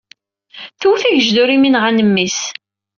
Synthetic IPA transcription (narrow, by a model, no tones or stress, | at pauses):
θuθæʝəʒd̪ʊɾiminʁænəmːis